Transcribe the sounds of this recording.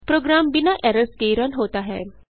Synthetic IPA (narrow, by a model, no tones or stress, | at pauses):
pɾoɡɾambinaʔɛɾəskejɾɔnɦot̪aɦɛ̰